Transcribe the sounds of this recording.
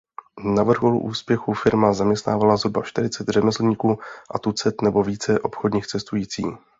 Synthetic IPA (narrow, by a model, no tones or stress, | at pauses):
navr̩ɦol̰ʔuːspjɛxufɪɾmazamɲɛst̪na̰ːvalazɦɾubaʃt̪ɪɾɪt͡sɛt̪rɛmɛsl̩ɲiːkuːʔat̪ut͡sɛt̪nɛbo̞viːt͡sɛʔo̞̰pxodɲiːxt͡sɛst̪ujiːt͡sḭː